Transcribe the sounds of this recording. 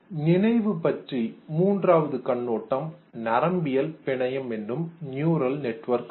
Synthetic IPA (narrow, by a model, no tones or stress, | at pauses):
nɪnɐɪʋɯpɐʈrimuːndraːʋɐðɯkɐɳːoːʈːɐmnɐɾɐmbɪjɐlpɪɳɐjɐmɛndrɯmnjuːɾɐlnɛʈːʋɐɾk